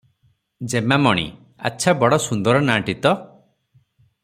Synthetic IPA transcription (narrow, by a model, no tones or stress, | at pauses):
d͡ʒemamɔɽ̃ḭ | a̰tːʃʰabɔɽɔsund̪ɔɾɔnaʈit̪ɔ